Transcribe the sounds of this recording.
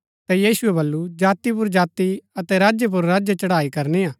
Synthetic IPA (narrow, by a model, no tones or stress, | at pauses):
t̪ɛjiːsʊɛbɐlːud͡ʒaːt̪ip̬ʊɾd͡ʒaːt̪iɐt̪ɛɾaːd͡ʒjəp̬ʊɾːaːd͡ʒjet͡ʃɐɽaːikɐɾneaː